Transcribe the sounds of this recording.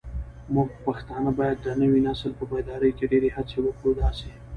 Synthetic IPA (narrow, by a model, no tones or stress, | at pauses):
mʊɡpaxt̪ɑnəbɑjad̪ːənəwinɑsəlpəbajd̪ɑɾəjkeɖeɾehat͡sewəkɽod̪ɑse